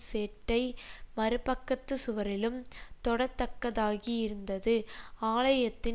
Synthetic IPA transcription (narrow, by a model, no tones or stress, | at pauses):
seːʈːɐɪmɐɾɯpɐkːɐt̪ːɯsʊʋɐɾɪlɯmt̪ɔɽɐt̪ːɐkːɐðaːɣijɪɾɯnd̪ɐðɯaːɭɐjɐt̪ːɪ